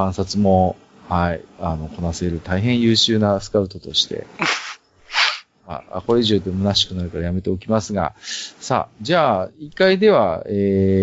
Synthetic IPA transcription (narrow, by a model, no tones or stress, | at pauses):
ãɰ̃sat͡sɨmo̞ | haiano̞ko̞nase̞ɾɯ̟t̪aiɦẽ̞ɰ̃jɯ̟ːɕɨːnasɨ̥kaɯ̟t̪o̞t̪o̞ɕi̥t̪e̞̰ | a̰a̰ko̞ɾeiʑoːd̪emɯ̟naɕi̥kɯ̟naɾɯ̟kaɾajame̞t̪e̞o̞kʲimasɨɡa̰sa̰ːd͡ʑaːikːaid̪e̞βaeː